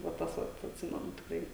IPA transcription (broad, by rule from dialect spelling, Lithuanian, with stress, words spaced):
ʋɐ ˈtɐs ʋɐt ɐtʲˈsʲɪmʲɛnʊ tʲɪkˈrɐɪ